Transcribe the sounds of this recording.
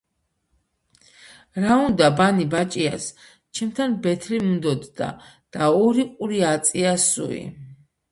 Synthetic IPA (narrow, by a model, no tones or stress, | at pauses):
ɾaund̪abanibat͡ʃʼia̰s | t͡ʃʰɛmt̪ʰanbɛt̪ʰɾimund̪ɔd̪ːa̰ | d̪̥aɔɾiqʼuɾiat̪sʼiasṵḭ